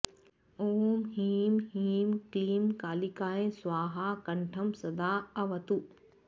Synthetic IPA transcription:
oːmɦiːmɦiːmʈliːmkaːlikaːẽswaːɦaːkɐɳʈʰɐmsɐd̪aːɐʋɐt̪u

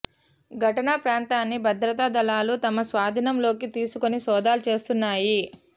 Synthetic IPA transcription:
ɡʱɐʈɐnɐpɾaːnt̪aːnːibʱɐd̪ɾɐt̪ɐd̪ɐlaːlut̪ɐmɐsʋaːd̪ʱinɐmlo̞ːkit̪iːsukonisɔːd̪aːlut͡ʃe̞ːst̪unːaːji

